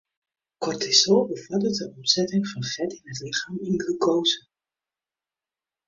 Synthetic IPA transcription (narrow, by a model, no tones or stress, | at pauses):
kɔrtʰɪsoːbəfɔdət̚dəɔmzɛtɪŋfɑnfɛdɪnɦətlɪχaːmɪnɡəkowsə